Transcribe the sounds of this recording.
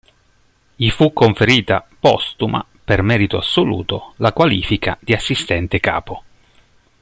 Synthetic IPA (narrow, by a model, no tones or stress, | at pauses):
jifukːoɱfeɾiːt̪apɔ̰st̪uma̰ | permɛːɾit̪oasːolṵːt̪olakwalḭːfikad̪̥iasːist̪ɛnt̪eka̰ːpo